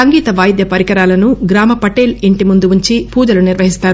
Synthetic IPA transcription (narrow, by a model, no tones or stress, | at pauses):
ɐŋɡiːt̪ɐʋaːjd̪jɐpɐɾikɐɾaːlɐnuɡɾaːmɐpɐʈe̞ːliɳʈimund̪uuɲt͡ʃipuːd͡ʒɐluniɾʋɐɦist̪aːɾu